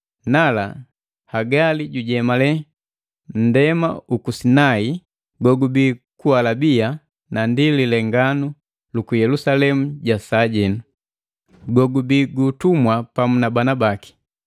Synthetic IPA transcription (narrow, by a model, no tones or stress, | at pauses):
nala | haɡaliɟuɟɛmalɛ | n̩dɛmaukusinai | ɡɔɡubikualabia | nandililɛŋɡanu | lukujɛlusalɛmuɟasaɟɛnu | ɡɔɡubiɡutumwapamunabanabaki̥